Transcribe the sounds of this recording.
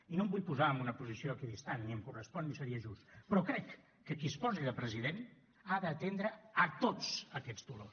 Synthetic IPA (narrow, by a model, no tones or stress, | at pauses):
inombuʎpuzaəmunəpuzisioəkiðist̪anːiəmkurəspɔnːisəɾiəʒust̪pɾɔkɾɛkː | əkispɔziðəpɾəziðen | aðəːt̪end̪ɾəːt̪ot͡səkɛd͡zd̪ulos